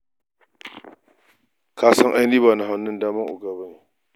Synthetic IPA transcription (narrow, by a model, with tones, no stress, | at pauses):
kaː˦sɐ˦ŋʔa˦jniː˦βaː˨na˨ɦa˨˦nːʊ˦ndaː˦mɐ˦ŋʔʊ˨ɡa˦ba˦ne˨